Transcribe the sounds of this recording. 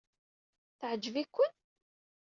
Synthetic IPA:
θʕəd͡ʒːəvikʷːən

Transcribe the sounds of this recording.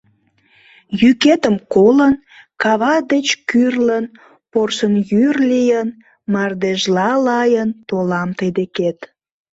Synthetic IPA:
jyket̪əmkolən | kɑβɑd̪et͡ɕkyrlən | porʃənjyrlijən | mɑrd̪eʒlɑlɑjənt̪olɑmt̪əjd̪eket̪

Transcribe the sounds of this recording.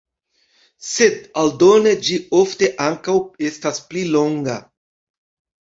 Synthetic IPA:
se̞daldo̞ne̞d͡ʒio̞fte̞ʔaŋkawe̞stasplilo̞ŋɡa

